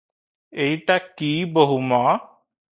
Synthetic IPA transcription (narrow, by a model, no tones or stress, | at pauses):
eiʈakiːbəɦuma